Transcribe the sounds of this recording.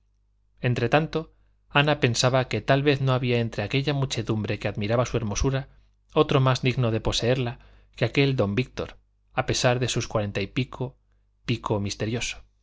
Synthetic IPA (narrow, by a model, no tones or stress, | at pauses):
e̞nt̪ɾe̞t̪ant̪o̞ | anape̞nsaβake̞t̪alβe̞θno̞aβiae̞nt̪ɾe̞ake̞ʎamut͡ʃe̞ðumbɾe̞ke̞aðmiɾaβasue̞ɾmo̞suɾa | o̞t̪ɾo̞mazd̪iɣno̞ðe̞po̞se̞e̞ɾla | keake̞ld̪o̞mbik̚t̪o̞̰ɾ | ape̞saɾðe̞suskwaɾe̞nt̪aipikʰo | piko̞mist̪e̞ɾjo̞so̥